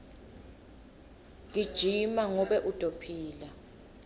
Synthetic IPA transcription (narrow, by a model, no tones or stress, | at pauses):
ŋid̥ʒ̥ʱimaŋɔɓɛʔud̥ʱopʰiːla